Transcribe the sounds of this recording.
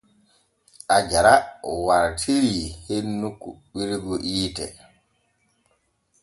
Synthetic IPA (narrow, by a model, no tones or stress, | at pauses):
ʔad͡ʒaɾaɔwaɾtʰiɾihenːukuɓiɾɡɔʔiːtɛ̰